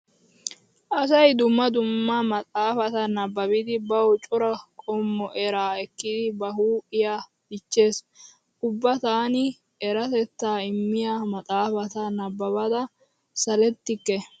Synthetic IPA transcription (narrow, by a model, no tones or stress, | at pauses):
ʔɐsɐjd̪ʊmːɐd̪ʊmːamɐt̪ʼaːfɐt̪ɐnɐbːɐbɪd̪ɪbɐwt͡ʃʼʊɾɐkʼɔmːɔʔɛɾaːɛkːɪd̪ɪbɐɦuːɪjaː | bɪt͡ʃːe̞ːs | ʔʊbːɐt̪aːnɪ | ɛɾɐt̪ɛt̪ːaːɪmːɪjaːmɐt̪ʼaːfɐt̪ɐnɐbːɐbɐd̪ɐ | sɐlɛt̪ːɪkːɛ